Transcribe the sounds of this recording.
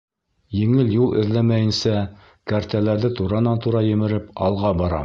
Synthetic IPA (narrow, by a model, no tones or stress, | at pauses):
jɘ̆ŋɘljulˠʔɘ̰̆ðlæmæjɘ̆nsæ | kæɾt̪ælæɾðɘt̪uɾɑnɑnt̪uɾɑjɘ̆mɘ̆ɾɘpɑ̰lˠʁɑbɑɾɑ̰